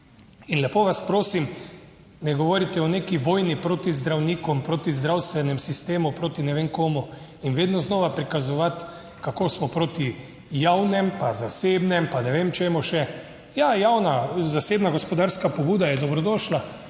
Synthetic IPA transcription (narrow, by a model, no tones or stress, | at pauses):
inlɛpoːʋaspɾoːsim | nɛɡɔʋoːɾit̪ɛɔnekiʋoːjnipɾoːt̪izd̪ɾawniːkɔmpɾoːt̪izd̪ɾawst̪ʋɛnɛmsist̪eːmupɾoːt̪inɛʋeːŋkoːmu | inʋeːd̪nɔznɔːʋapɾikazɔʋat̪ | kakoːsmɔpɾoːt̪i | jawnɛmpazaseːbnɛmpanɛʋeːmt͡ʃeːmɔʃɛ | jajawnazaseːbnaɡospɔd̪aɾskapɔbuːd̪ajɛd̪ɔbɾɔd̪ɔːʃla